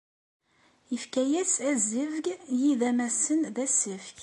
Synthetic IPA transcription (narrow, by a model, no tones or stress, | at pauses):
əfkæjæsæzəvɡjiðæmæsənðæsəfk